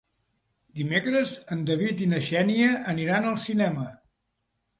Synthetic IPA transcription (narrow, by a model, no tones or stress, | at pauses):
d̪imekɾəzənd̪əβit̪inəʒɛniəːniɾanəlˠsinɛmə